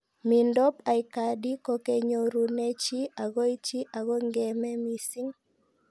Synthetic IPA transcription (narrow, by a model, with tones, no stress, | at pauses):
mi˨ndɔ˦pa˨ɪka˨di˦kɔ˦ke˦ɲo˨ɾu˨ne˦t͡ʃi˦a˨ɡɔ˦i˦t͡ʃi˦ʔa˨ɡɔ˦ŋɡɛ˨mɛ˦mi˨si˦ŋ